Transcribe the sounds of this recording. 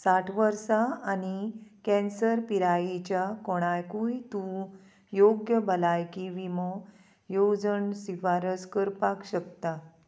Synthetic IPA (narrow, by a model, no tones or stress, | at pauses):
saʈʰʋəɾsaːnikɛ̃nsəɾpiɾajit͡ɕjakɔɽ̃ajkujt̪ũ | joɡjəbʱəlajkiʋimɔ | jod͡zənsifaɾəskəɾpakɕəkt̪a